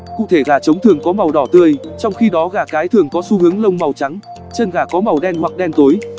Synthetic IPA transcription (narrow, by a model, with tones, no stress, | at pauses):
kṵ˧˨t̪ʰe˧˩ɣaː˧˩t͡ɕə˨˦wŋ͡mt̪ʰɨ˨˩əŋkɔ˨˦ma˨˩wɗɔ˧˩t̪ɨ˧əjt͡ɕɔ˧wŋ͡mxi˧ɗɔ˨˦ɣaː˧˩kaː˨˦jt̪ʰɨ˨˩əŋkɔ˨˦su˧hɨ˨˦əŋlə˧wŋ͡mma˨˩wt͡ɕa˨˦ŋ | t͡ɕə˧˩nɣaː˧˩kɔ˨˦ma˨˩wɗɛ˧nhwa˨˩k̚ɗɛ˧nt̪o˨˦j